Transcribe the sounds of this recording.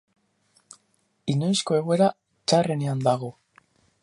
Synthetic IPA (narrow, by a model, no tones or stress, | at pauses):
ino̞jsko̞e̞ɣ̞oe̞ɾa | t͡ʃare̞ne̞and̪aɣ̞o̞